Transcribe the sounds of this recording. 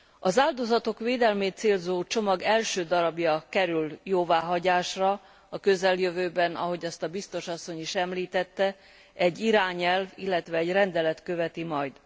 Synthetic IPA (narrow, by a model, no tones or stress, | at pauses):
ɒzaːld̪o̞zɒt̪o̞kʋeːd̪ɛlmeːt̪̚seːlzoːt͡ʃo̞mɒɡɛlʃøːd̪ɒɾɒbjɒkɛɾyljoːvaːɦɒɟaːʃrɒ | ɒkø̞zɛljøvøːbɛnɒ̰ɦo̞ɟɒst̪ɒbist̪o̞ʃɒsːo̞ɲiʃɛmliːt̪ɛt̪ːɛ | ɛɟːiɾaːɲɛlvilːɛt̪ʋɛːɟrɛnd̪ɛlɛt̪køvɛt̪imɒjd̪